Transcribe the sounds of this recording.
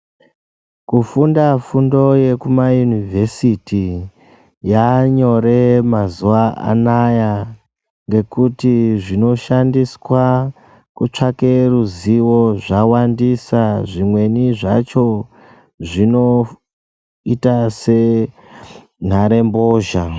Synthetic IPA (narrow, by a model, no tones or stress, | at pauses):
kufundafundo̞je̞kumajunivʱe̞siti | jaɲo̞ɾe̞mazuaʔa̰naja | ŋɡe̞kutiʐino̞ʃandiswa | kut͡ʂake̞ruziwo̞ʐawandisaʐimwe̞niʐa̰t͡ʃo̞ | ʐino̞ | itase̞ | n̤aɾe̞mboːʒa